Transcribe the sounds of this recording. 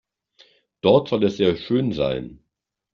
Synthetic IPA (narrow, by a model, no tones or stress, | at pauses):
d̥ɔɐtz̥ɔlɛsz̥eːɐʃøːnza̰ɪn